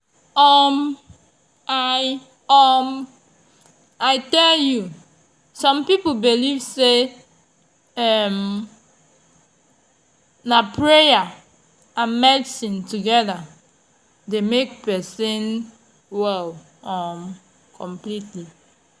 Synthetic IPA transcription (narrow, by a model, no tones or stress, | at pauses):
ɔm | aj | ɔm | aɪtɛlju | sɔ̃mpipobilivse | ɛm | napɹeja | ãnmɛdsĩntuɡɛða | demekpɛsĩn | wɛl | ɔm | kʰɔ̃mplitli